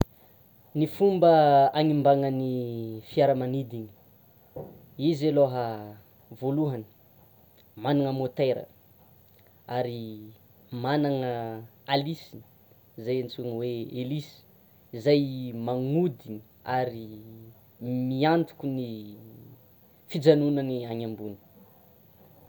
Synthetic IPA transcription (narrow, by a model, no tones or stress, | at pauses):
nifumbəaŋimbaŋənifiaɾəmanid̪iɲi̥ | izeloɦə | voluɦanə̥ | manaŋəmot̪eɾə̰ | aɾi | manaŋə | alisi | izajant͡suŋweelisi̥ | izajmaŋud̪iɲi | aɾi | miant̪u̥kʲuni | fid͡zanunəniaɲambuni̥